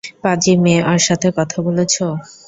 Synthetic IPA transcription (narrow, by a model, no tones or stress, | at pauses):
pad͡ʑimeaɾʃat̪ʰekɔt̪ʰabolet͡ɕʰo